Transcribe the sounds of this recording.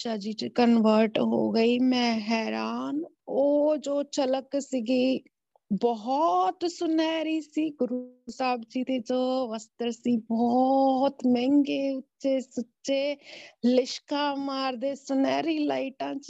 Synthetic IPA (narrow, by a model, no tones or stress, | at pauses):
t͡ʃaːd͡ʒiːt͡ʃkənʋəɾʈɦo̰ːɡəiːmɛ̃ːɦɛːɾaːnoːd͡ʒoːt͡ʃələksiːɡiː | bɔɦt̪sʊnɛːɾiːsiːɡʊɾusaːbd͡ʒiːt̪eːd͡ʒoːʋəst̪əɾsiːbɔːt̪mɛ̃ŋɡeːʊtːʃeːsətːʃeːlɪʃkaːmaːɾd̪eːsʊnɛːɾiːla̰ːiʈãːt͡ʃ